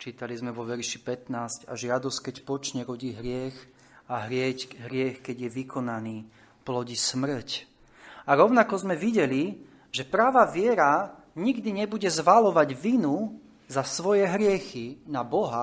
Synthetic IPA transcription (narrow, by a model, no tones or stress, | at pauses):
t͡ʃiːt̪alizmɛʋɔʋɛɾʃipɛt̪naːsca̰ʒɪad̪ɔsckɛcpɔt͡ʃɲɛɾɔɟiːɦɾɪɛx | aɦɾɪɛcɦɾɪɛxkɛɟjɛʋikɔnaniː | plɔɟismr̩c | aɾɔʊnakɔzmɛʋiɟɛli | ʒɛpɾaːʋaʋɪɛɾa | ɲiɡd̪iɲɛbuɟɛzʋalɔʋaɟʋinu | zasʋɔjɛɦɾɪɛxinabɔɦa